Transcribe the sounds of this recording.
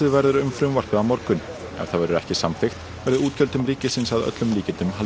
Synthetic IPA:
ɪðvɛɾðʏɾʏmfɾʏmvar̥pʏamɔɾkʏn | ɛ̰v̥θaðvɛɾʏɾɛ̰hcɪsamfɪxt̪vɛɾðɪuːt̪cʰœlt̪ʏmɾiːcɪsɪnsaðœ̰t̪lʏmliːcɪt̪ʏmɦal

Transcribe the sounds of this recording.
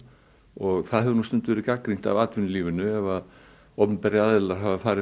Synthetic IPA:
ɔɣθaðhɦɛðʏnust̪ʏnt̪ʏvɛɾɪkakɾiŋ̥t̪a̰vaːt̪vɪnliːvɪnʏɛvað | ɔppɛɾɪaðɪlaɾ̥ɦavafaːɾɪ

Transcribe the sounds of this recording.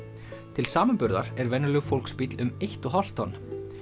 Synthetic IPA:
t̪ʰɪlsaːmanpʏɾða̰ɾ̥ɛɾvɛnːʏlœɣfowlkspit̪lʏmejht̪ɔɦɔl̥t̪ɔnː

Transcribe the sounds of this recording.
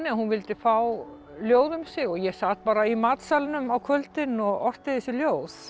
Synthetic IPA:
nɪahunvɪlt̪ɪfaw | ljoːwðʏmsɪɣɔɣjɛsaːt̪̚paːɾaimaːt̪salnʏmawkʰœlt̪ɪnɔɣɔr̥t̪ɪθɛsɪljoːwθ

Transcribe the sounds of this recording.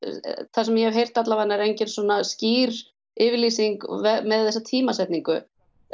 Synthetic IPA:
θasɛmjɛhɛvɦejr̥t̪at̪lavanːaɛɾejɲcɛnsɔːnasciːɾ | ɪvliːsiŋkvɛmɛðθɛsːat̪ʰiːmasɛht̪niŋkʏ̰

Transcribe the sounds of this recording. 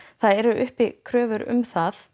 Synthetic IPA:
θaðɛɾʏʔʏhpikʰɾœːvʏɾʏ̰mθaθ

